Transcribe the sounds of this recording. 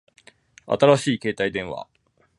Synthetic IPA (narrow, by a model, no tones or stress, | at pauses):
a̰t̪aɾaɕiːke̞ːt̪aid̪ẽ̞ɰ̃βa̰